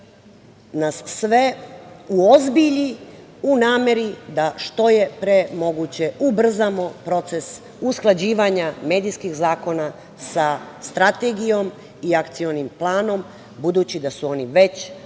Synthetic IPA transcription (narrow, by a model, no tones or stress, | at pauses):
nasːʋeuozbiʎiunaːme̞ɾid̪aʃt̪o̞jepɾemo̞ɡut͡ɕe̞ubr̩zamopɾo̞t̪se̞s | usklˠad͡ʑiːʋaɲame̞ːd̪ijskixzaːko̞na | sast̪ɾat̪e̞ɡijo̞m | iakt̪sionimplaːno̞m | bud̪uːt͡ɕid̪asuo̞niʋe̞t͡ɕ